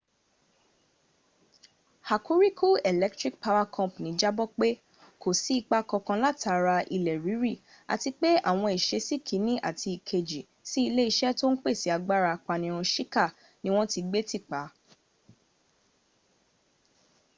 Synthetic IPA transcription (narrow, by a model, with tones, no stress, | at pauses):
ha˨ku˦ɾi˦kʰu˦˨ɛ˨lɛ˦k̚tɾi˦k̚pa˧wa˧kʰɔ̃˦˨pnĩ˨˦d͡ʒa˦bɔ˦k͡pe˦ | kʰo˨si˨˦i˧k͡pa˧kɔ˧kã˧la˦˨tʰa˨˧˦ɾa˧ʔi˧˨lɛ˨ɾi˨˦ɾi˦˨ | a̰˨ti˧k͡pe˦a̰˦˨w̃ɔ̃˧i˨ʃe˧si˦kʰi˨˦nĩ˦ʔa̰˦˨ti˧i˨kʰe˧d͡ʒi˨ | si˦i˧le˦i˧ʃɛ˦to˦n̩˦k͡pe˦˨si˨˦a˧ɡ͡ba˦ɾa˧k͡pa˧nĩ˧˦˧ɾ̃ũ˧ʃi˦ka˦˨ | nĩ˦w̃ɔ̃˦ti˧ɡ͡be˦ti˦˨k͡pa˨˦